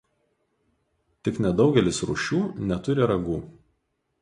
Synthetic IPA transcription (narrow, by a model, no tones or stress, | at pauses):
t̪ʲɪknʲɛd̪ɒʊɡʲɛlʲɪsɾʊ̰ʃʲuːnʲɛt̪ʊɾʲɪɾɐɡuː